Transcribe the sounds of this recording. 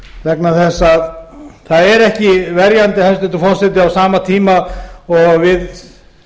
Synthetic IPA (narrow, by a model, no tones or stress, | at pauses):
vɛknaθɛsːaðθaðɛɾɛhcɪvɛɾjant̪ɪhast̪ɪnt̪ʏfɔr̥sɛt̪̬ɪawsaːmat̪ʰiːmaɔɣvɪð